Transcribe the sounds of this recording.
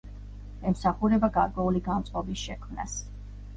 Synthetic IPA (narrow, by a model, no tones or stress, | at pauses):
ɛmsaχuɾɛbaɡaɾkʼwɛuliɡant̪sʼqʼɔbisʃɛkʰmna̰s